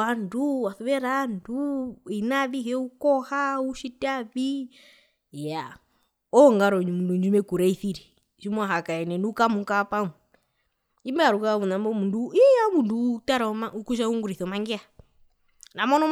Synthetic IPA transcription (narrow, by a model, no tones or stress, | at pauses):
anduwaθuβɛɾanduinaðiɦɛukɔhauʃitaβi | ja | ɔŋɡaɾɔɲumunduɲd͡ʒumɛkuɾaiθiɾɛ | ʃimaɦakaɛnɛnukamukapamu | imbaɾukaβunambɔmunduijamundutaɾamaukuʃ̬auŋɡuɾiθɔmaŋɡɛa | namɔnɔ